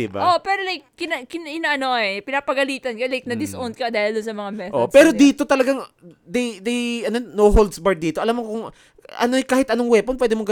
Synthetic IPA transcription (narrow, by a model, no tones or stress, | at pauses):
ɪba̰ʔopɛːɾolajk̚ːɪnaɪnʔɪnaʔɐnoɛpɪnaːpɐɡɐliːt̪ɐnkɐlajk̚nɐd̪ɪsʔond̪̚kɐd̪aːhɪld̪ʊnsɐmɐŋamɛʔoʔpɛːɾo̞d̪iːt̪o̞t̪ɐlɐɡaŋd̪ɐjd̪ɐjɐnonoɦold̪sbɐɹ̚d̪iːt̪oɐlamːokʊŋ | ʔɐ̰noɛkaːhɪt̪ʔɐnoŋwɛponp̬wɛːd̪ɛmoɡɐ